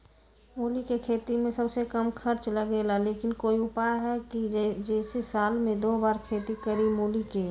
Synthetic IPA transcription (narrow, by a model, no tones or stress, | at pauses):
moːlikekʰeːt̪imẽsɐbsekəmkʰɐɾt͡ʃləɡeːlaleːkɪnkoːiʊpajɦɛkid͡ʒɛd͡ʒɛːsesaːlmẽd̪oːbaːɾkʰeːt̪ikəɾimoːlike